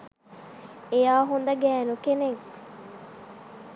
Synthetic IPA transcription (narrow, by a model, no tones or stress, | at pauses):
ejaːɦund̪ɐɡɛːnukenek